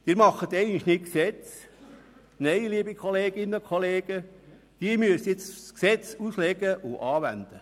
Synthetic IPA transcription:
d̥̪ɪːɾmɑχət̪ɛɪɡənliʃnɪt̚ksɛt͡s | neɪliːbikʰχoleːɡɪnːəkʰχoleːɡ̥ə | d̪̥iəmyəst͡sksɛt͡suslɛɡəʔʊʔɑːʋæ̰nd̪̥ə

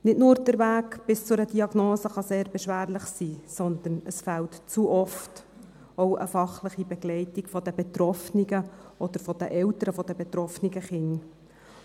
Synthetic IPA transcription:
nɪtnʊːɾd̥̪əɾʋæːkb̥ɪst͡sʊɾəd̥iɑɡ̥noːsəχɑseːɾbɛʃʋæːɾləχsiːsɔnd̪ənəsfæltt͡suːʔɔft | ɔwʔə̰fɑχləχibɛɡ̥lɛɪtiɡfɔd̥̪əbɛt̪ɾɔfniɡəʔɔd̥̪əɾfɔd̥̪əʔɛlt̪əɾəfɔd̪əbɛt̪ɾɔfniɡəχɪn

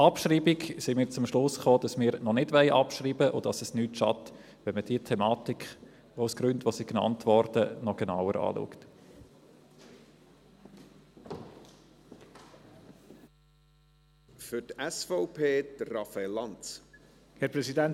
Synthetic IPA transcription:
ɑpʃriːbɪɡsɪmɪːt͡sʊmʃlʊsχoːd̥ɑsmɪːɾnɔnɪdʋɛɪʔɑpʃriːbəʔʊd̥ɑsɛsnyːtʃɑt | ʋɛnməd̥iːətʰɛmɑːtik | oʊsɡ̥ɾʉndʋosiɡnɑ̰ntʋɔɾdənɔɡ̥ɛna̰wəɾʔɑ̰ːlṵːkt | fʏtɛsfɔʊpʰeːdrɑfalːɑnt͡s | hɛpɾɛsidɛn

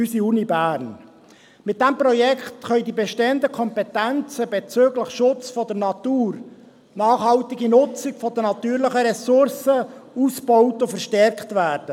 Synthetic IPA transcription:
ysiunibæːɾn | mɪt̚dɛmprɔjɛktχœʏdibɛʃteənd̪əkʰɔmpɛtænt͡səbɛt͡søːɡləχʃʊt͡sfɔdəɾnɑtuːr | nɑːχhɑltɪɡinʊt͡sɪɡfɔd̥ənɑt̪yːɾləχəɾɛsʊɾsəusb̥ɔʊtʊfəɾʃtɛrkχtvæːɾd̥ə

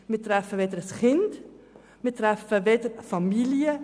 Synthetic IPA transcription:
miːtɾɛfəvedəɾəsχɪnt | miːtɾɛfəvedəɾfɑmiljə

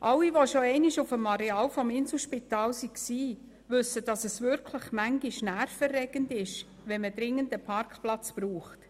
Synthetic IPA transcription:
ʔɑwiʋoʃoɛɪnɪʃufəmɑɾɛɑːlfɔmɪnsl̩ˠʃpitɑːlsiksiː | ʋʏsːəd̥ɑsɛsʋʏɾkʰləχmæŋɡɪʃnæɾfərːɛɡ̥əndɪʃ | ʋɛnmədɾɪŋːəndəpʰɑɾkχplɑt͡sb̥ɾuːχt

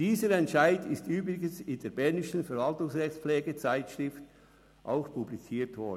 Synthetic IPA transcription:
d̥iːzəɾɛntʃaɪdɪstyːbɾɪɡənsɪndeːɐbɛɐnɪʃn̩fɛɾvɑltʊŋsʁɛxsplɛːɡət͡saɪtʃʁɪft | ʔa̰ʊxpʰublit͡siːtvɔ

